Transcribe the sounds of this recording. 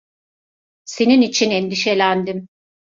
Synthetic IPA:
se̞ninit͡ʃʰinɛnd̪iʃe̞lʲænd̪im

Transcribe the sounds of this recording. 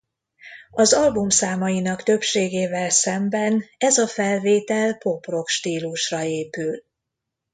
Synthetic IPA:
ɒzɒlbumsaːmɒjinɒkt̪ø̞pʃeːɡeːvɛlsɛmbɛnɛzɒfɛlveːt̪ɛlpo̞pro̞kʃt̪iːluʃrɒeːpyl

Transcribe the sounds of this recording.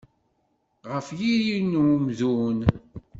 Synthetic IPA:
ʁəfjiɾinmðun

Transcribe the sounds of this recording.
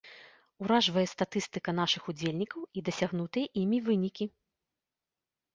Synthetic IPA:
uɾaʐvɐjɛst̪at̪ɨst̪ɨkɐn̪aʂɨxud͡zʲelʲnʲikɐwid̪ɐsʲaɣn̪ut̪ɨjɛʔimʲivɨnʲikʲi

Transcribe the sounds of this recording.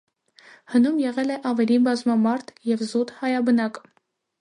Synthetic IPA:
hənumjɛʁɛlɛʔɑvɛlibɑzmɑmɑɾt̪ʰjɛvzut̪hɑjɑbənɑk

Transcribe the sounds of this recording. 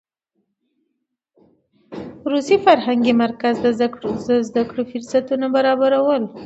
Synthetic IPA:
ɾusifaɾhaŋɡimaɾkazd̪əaəzd̪akɽofiɾsat̪unabaɾɑbaɾawəl

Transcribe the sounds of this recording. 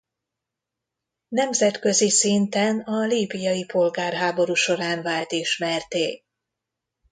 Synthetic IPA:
nɛmzɛt̪kø̞zisint̪ɛnɒliːbijɒjipo̞lɡaːrɦaːbo̞ɾuːʃo̞ɾaːnvaːlt̪iʃmɛrt̪eː

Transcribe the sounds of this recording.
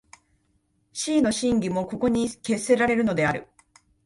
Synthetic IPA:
ɕiːno̞ɕĩŋɡʲimo̞ko̞ko̞ɲ̟ike̞se̞ɾaɾe̞ɾɯ̟no̞d̪e̞aɾɯ̟̰

